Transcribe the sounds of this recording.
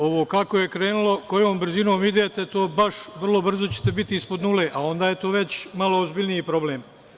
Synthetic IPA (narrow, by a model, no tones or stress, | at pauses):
o̞ʋoːkakoje̞kɾe̞ːnulo̞ko̞joːmbr̩zinoːmid̪eːt̪e̞t̪o̞ːbaʃʋr̩lˠo̞br̩zo̞t͡ɕe̥t̪e̞bit̪iispo̞d̪nuleːʔao̞nd̪aːjet̪oːʋe̞t͡ɕmalˠoozbiʎʲnijipɾo̞bleːm